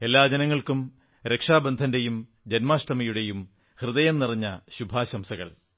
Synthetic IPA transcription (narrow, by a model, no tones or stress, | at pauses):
e̞lːaːd͡ʑɐnɐŋːɐɭkum | ɾe̞kʂaːbɐnd̪ʱɐnde̞jum | d͡ʑenmaːʂʈɐmɐjuɽe̞jum | hrɨðɐjɐnniriɲːɐɕubʱaːɕɐmsɐɣɐ̰ɭ